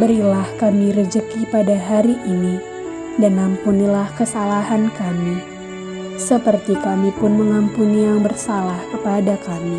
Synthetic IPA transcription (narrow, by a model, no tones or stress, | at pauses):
bəɾilahkamiɾəd͡ʒəkipadaɦaɾiʔini | danampunilahkəsalaɦankami | səpərt̪ikamipʊnməŋampunijaŋbərsalahkəpadakami